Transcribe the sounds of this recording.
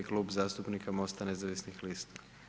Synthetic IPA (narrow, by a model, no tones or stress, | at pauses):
ikluːbzaːst̪upnikamo̞st̪ane̞zaʋisnixlist̪ḁ